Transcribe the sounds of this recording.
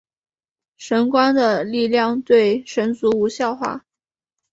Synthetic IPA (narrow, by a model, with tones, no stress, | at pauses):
ʂə˧˥nkwa˥nd̪ə˨li˥˧ljɑ˥˧ŋt̪we˥˩ɪʂə˧˥nt͡su˧˥u˧˥ɕjɑ˥˧ʊxwa̰˥˩